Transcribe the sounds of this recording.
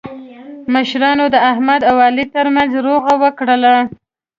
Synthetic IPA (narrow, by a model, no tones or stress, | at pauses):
məʃɾɑnod̪əahmad̪awɑlit̪əɾmanzɾoɣawəkɽəla